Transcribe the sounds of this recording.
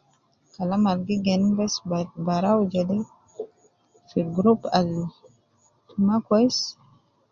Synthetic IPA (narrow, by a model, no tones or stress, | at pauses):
kalamalɡiɡenbesbaɾawd͡ʒede | fiɡɾupal | tʰumakojs